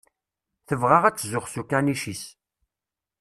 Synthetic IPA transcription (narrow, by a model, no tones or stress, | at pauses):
θəvʁaʁæt͡sːzʊχsukːæniʃis